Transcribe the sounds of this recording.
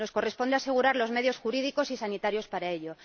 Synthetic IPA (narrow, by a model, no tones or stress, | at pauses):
o̞sko̞re̞spo̞nd̪ease̞ɣ̞uɾaɾlo̞zme̞ðjo̞sxuɾið̞iko̞sisanit̪aɾjo̞spaɾae̞ʎo̞